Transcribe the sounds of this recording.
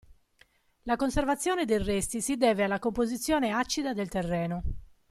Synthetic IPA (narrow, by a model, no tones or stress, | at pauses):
lakonservat̪sːjɔːned̪ejrɛst̪isid̪ɛːvealːakompozit̪sːjɔːneat͡ʃːid̪ad̪elt̪erːɛːno